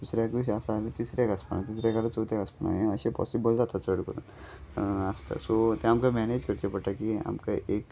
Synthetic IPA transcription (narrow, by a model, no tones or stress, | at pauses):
d̪̥usɾjakʋiɕasalet̪isɾjakaspanat̪isɾjakalet͡sot̪jakəspana̰ɦeəɕepɔ̰sibəld͡zat̪ʰasəɽkəɾṵn | ast̪a̰sot̪ɛ̃amkamɛned͡ʑkəɾt͡ɕepəɽʈ̪akia̰mkaʔek